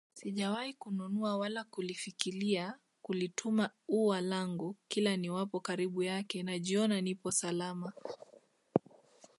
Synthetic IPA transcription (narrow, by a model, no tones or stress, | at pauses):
siʄawaikununuawalakulifikilia | kulitʰumauwalaŋɡukilaniwapɔkaɾiɓujakɛnaʄiɔnanipɔsalama